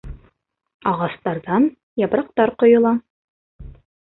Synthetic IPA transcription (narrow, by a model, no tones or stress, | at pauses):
ɑʁɑst̪ɑɾðɑn | jɑpɾɑq̚t̪ɑɾqŏjŏlˠɑ